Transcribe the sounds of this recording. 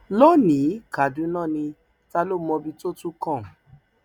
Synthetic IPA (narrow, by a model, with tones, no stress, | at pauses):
lo˦nĩ˨˦ka˨dũ˧˦nãː˦˨nĩ˧ | ta˦˧lo˦mɔ̃˧bi˧to˦tũ˦kɔ̃˦˨